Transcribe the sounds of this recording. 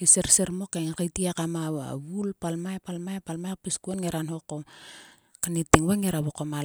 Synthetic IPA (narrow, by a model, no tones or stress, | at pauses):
iseɾseɾmokeŋkajtiakamaa̰βulpalmaepalmaepalmaek̚piskuenŋeɾanhoko | kanitiŋβaŋeɾaβokoma